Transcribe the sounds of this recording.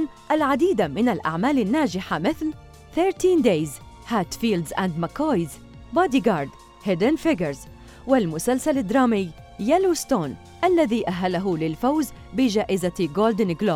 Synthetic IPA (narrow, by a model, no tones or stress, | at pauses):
n | ʔalʕad̪iːd̪amɪnalʔa̰ʕmaːlanːaːd͡ʒɪħamɪθl | θeɾt̪iːnd̪ejz | haːt̪fiːld̪zʔand̪makajz | bɑd̪iɡɑːɾˤd̪ | hɪd̪ɪnfɪɡəɾz | wɪlmʊsalsalad̪ɾˤɑːmɪj | jaluːst̪oːn | ʔalːaðiːʔaɦːalaɦʊlɪlfawz | bɪd͡ʒaːʔɪzaɡoːld̪ɪnɡloːb